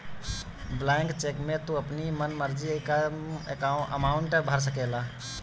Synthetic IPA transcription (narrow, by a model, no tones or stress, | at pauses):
blãŋkt͡ʃekmet̪uəpnimənməɾd͡ʒikaekaʔə̰maʊuɳʈəbʱəɾs̬əkɛla